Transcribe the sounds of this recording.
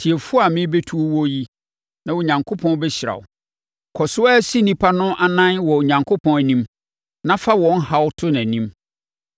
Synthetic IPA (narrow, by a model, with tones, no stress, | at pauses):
tʰi˨e˨fʊ˦a˨mɪ̃˦be˦tʰu˦o˦wɔ˦ji˦ | nã˨wɔ˨ɲã˨ŋkʰo˦pʰɔ̃˦nbɛ˦ɕɪ˨ɾa̰˨wʊ̰˨ | kʰɔ˨sʊ˦a˦si˦nĩ˦pʰa˦nʊ̃˦ʔa˨nã˦nwɔ˨o˨ɲã˨ŋkʰʊ˦pʰɔ̃˦n˨nĩ˦m | nã˦fa˦wɔ̃˨n˦ha˦wʊ˦tʰʊ˦nã˨nĩ˦m